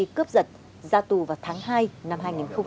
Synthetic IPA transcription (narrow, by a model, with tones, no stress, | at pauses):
i˧˩kɨː˦˥p̚zə˨˩t̚ | zaː˧t̪u˨˩vaː˨˩wt̪ʰaː˨˦ŋhaː˧jna˧mhɦaː˧jŋi˨˩nxə˧ŋ͡m